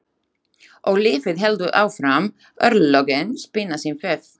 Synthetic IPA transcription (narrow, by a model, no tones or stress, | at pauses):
ʔɔɣlɪːfɪðɦɛld̪ʏʔaːwfɾam | œɾlɔɡənspɪnːasinfɛθ